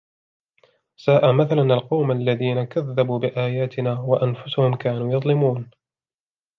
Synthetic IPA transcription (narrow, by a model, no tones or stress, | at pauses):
saːʔamaθalanalqɑwmʔalːaðiːnakaðːabuːbɪʔaːjaːt̪ɪnaːwaʔanfʊsʊhʊmkaːnuːjɑðˤlɪmuːn